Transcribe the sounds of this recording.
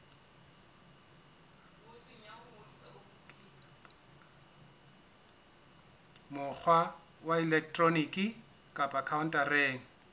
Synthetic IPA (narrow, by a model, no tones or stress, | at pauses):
mʊk͡xʰwa | waɛlɛk̚ʰtʼronikʼi | kʼapʼakʰaʊn̩tʼareːŋ̩